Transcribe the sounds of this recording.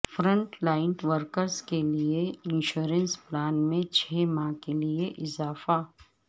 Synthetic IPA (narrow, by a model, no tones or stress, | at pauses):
fɾə̃ɳʈlaːɪnʈʋəɾkəɾzkelieɪ̃nʃuːɾə̃nsplaːnmẽt͡ʃʰɛːmãkelieʔɪzaːfa